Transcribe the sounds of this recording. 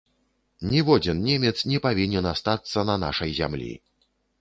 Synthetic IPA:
nʲɛvɔd͡zʲɛnnʲemʲɛt̪snʲɛpavʲinʲɛnast̪at̪sːɐnɐna̰ʂɐjzʲa̰mlʲḭ

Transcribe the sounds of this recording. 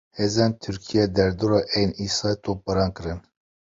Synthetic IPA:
heːzɛnt̪ʰyɾkʰijɛd̪ɛɾd̪uɾɑːʔɛjniːsɑːt̪ʰop̚ɛɾɑːnkɨɾɨn

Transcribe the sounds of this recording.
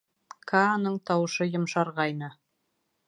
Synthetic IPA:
kʰaːnɤɴt̪ɑwɤ̆ʃɤjŏmʃɑɾʁɑjnɤ

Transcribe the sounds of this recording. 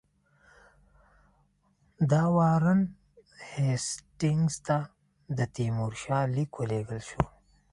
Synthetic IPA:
d̪ɑwɑːɾən | hesʈɪŋɡzt̪a | d̪ət̪imuɾʃɑːlikwəleɡəlʃo

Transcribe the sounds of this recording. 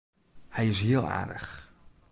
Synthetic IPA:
hɛjɪs̬ɦiəlˠa̰ːrdə̰χ

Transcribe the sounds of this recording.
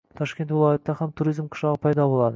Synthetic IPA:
t̪ʰɑʃkʲe̞nt̪vɪlˠɑjet̪ːɑhæmt̪ʰuɾijzmqʰʊ̥ʃɑʁəpʰɑjd̪ɑbo̞lˠɑd̪ə

